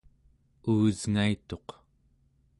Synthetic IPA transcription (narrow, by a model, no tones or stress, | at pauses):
uːzŋait̪o̞q